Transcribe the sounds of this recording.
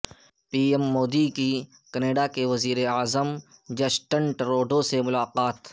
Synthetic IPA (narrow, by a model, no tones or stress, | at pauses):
piːemːoːd̪iki | kɐneːɖakeʋɐziːɾeaːzəmd͡ʒɐsʈə̃ɳʈɾoːɖõsemʊlaːqaːt̪